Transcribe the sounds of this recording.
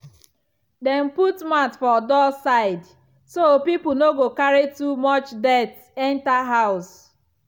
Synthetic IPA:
dɛ̃n̩putmatfɔdɔsaɪd | sopipl̩noɡokaɹitumɔt͡ʃdɛt | ɛ̃ntaɦaʊs

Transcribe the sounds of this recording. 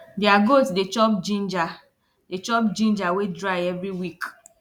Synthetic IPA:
djaɡotsdet͡ʃɔpd͡ʒind͡ʒa | det͡ʃɔp̚d͡ʒĩnd͡ʒawedɾaɪɛvɾiwik

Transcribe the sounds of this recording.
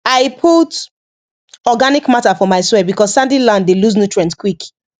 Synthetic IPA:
aɪpʰut | ɔɡanikmatafɔmaɪswɛbikɔssãndilãnddeluznutɹɛ̃ntkwik

